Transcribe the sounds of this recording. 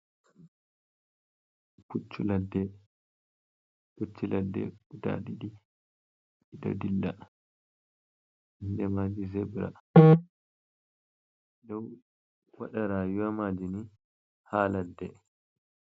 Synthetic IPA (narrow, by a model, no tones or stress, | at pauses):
put͡ʃːuladːɛ | put͡ʃːiladːɛ̰uda̰ɗiɗi | iɗa̰dilːa | ndɛmad͡ʒizɛbɾa̰ | ɗɔw | waɗaɾaːjuwamad͡ʒini | haladːɛ